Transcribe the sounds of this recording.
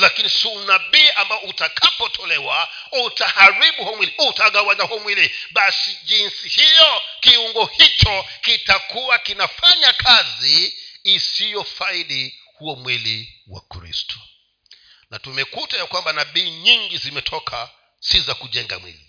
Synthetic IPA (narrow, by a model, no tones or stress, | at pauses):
lakinisunaɓiːʔambaɔutakʰapɔtʰɔlɛwa | utahaɾiɓuhuɔmwiliutaɠawaɲahuɔmwiliɓasiʄinsihijɔkiuŋɡɔhit͡ʃɔkitakuwakinafaɲakʰaziː | sijɔfaiɗi | huɔmwili | wa̰kɾḭstʰɔ̥ | natumɛkutajakwambanaɓiːɲiŋɡizimɛtʰɔkʰa | sizakuʄɛŋɡa̰mwḭlḭ